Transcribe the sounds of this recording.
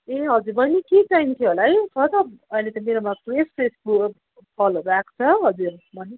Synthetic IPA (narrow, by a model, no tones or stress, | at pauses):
eɦʌd͡zuɾbʌniket͡sajmk̪ʰeɦolajt͡sʰʌt̪ʌbʌilet̪ʌmeɾomakwespesbu | pʰʌlobakt͡sʰʌɦʌd͡zuɾbʱʌni